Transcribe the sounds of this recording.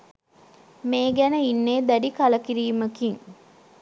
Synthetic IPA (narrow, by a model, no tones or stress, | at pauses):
meːɡænəinːeːd̪æɖikaləkiɾiːməkiŋ